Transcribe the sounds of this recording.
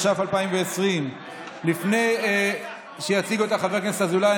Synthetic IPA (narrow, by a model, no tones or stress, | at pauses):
ʃafalpaimveesʁim | lifne̞j | ʃejat͡siɡuet̪aχaveknesazulaja